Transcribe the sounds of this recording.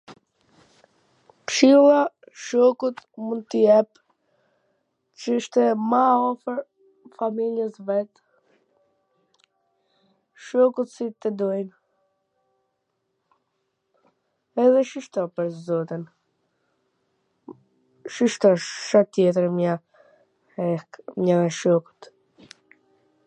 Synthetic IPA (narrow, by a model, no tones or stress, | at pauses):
pʃilˠa | ʃɔkut̪mund̪̚t̪əjɛp | t͡ʃəəʃt̪ɛmaɔfəɾ | familjɛsvɛt̪ | ʃɔkut̪sit̪əd̪ɔjn | ɛðɛʃiʃt̪ɔpəɾzɔt̪in | ʃiʃt̪ɔʃʃat̪ːjɛt̪əɾma | ɛmɲɛðɛʃɔku̥t̪